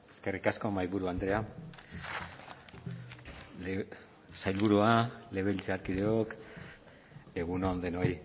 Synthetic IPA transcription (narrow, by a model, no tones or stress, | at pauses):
e̞ske̞rikasko̞majβuɾuand̪ɾe̞a | l | sajlβuɾuale̞β̞elt͡seaɾkiðeok | e̞ɣunoand̪eno̞j